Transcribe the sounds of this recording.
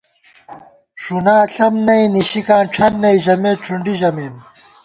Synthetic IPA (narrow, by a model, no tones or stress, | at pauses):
ɕunaːɬɐmnɐiniɕikãːnʈ͡ʂʰɐnːɐiʑɐmeːʈ͡ʂʰuɳɖiʑɐmeːn